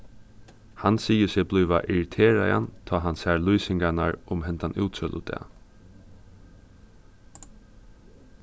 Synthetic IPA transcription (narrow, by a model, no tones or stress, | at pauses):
hansiːjəsebluːʋaʔɪɹɪt̪ʰeːɾaja̰nt̪ʰɑːɦansæːɹlyːsɪŋɡanaɹʊmhɛnt̪anʔṵːt̪sœlʊ̰d̪ɛ̰ː